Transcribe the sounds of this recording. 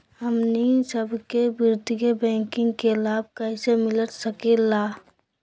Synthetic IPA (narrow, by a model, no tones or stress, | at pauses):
ɦəmnisəbkebɪɾd̪iɡebɛ̃ːŋkɪ̃ŋɡkelaːb̚kəɪsemɪlət̪səkela